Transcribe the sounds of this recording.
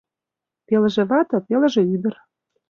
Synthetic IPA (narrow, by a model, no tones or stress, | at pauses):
pelə̆ʒĕβɑt̪ɤ̆pelə̆ʒĕyd̪ə̆r